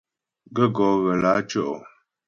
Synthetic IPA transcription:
ɡə˦ɡɔ˨˦ɣə˨la˨˦t͡ʃɔ˦˨ʔɔ˨

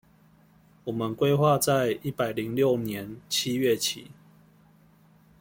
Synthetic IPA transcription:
wɔ˨˩mə˨˦nkwe˥˦ɪxwa˥˧˨t͡sa˥˨ɪi˥˦pa˨˩ɪli˨˦ŋljo˥˨ʊnjɛ˨˦nt͡ɕʰi˦ɥɛ˥˨t͡ɕʰḭ˨˩˦

